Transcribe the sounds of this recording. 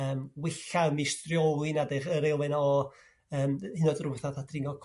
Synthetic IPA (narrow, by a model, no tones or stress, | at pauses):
əːmwɪɬamistrjɔwɨnadɪχəɾelˠmɛnaɔ | əːmhɪnɔdrʊθaðatʰrɪŋɔkʰ